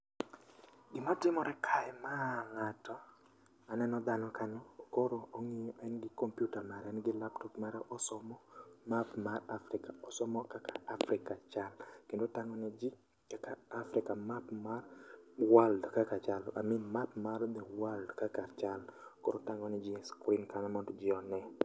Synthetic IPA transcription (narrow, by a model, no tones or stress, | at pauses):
ɡɪmatɪmɔɾɛkʰaɛmaŋatɔ | anɛnɔd̪anɔkanɔkoɾooŋiɲɔʔɛnɡɪkompjutamaɾɛnɡɪlaptɔpmaɾɛʔɔsɔmɔmapmarafɾɪkaɔsɔmɔkakaːfɾɪkat͡ʃalkendotaŋɔnɛd͡ʒi | kakaːfɾɪkamapmarwaldkakat͡ʃalʔa̰minmapmard̪ɛwaldkakat͡ʃalkoɾotaŋɔnɛd͡ʒiskɾinkanɛmɔndd͡ʒɪɔnɛ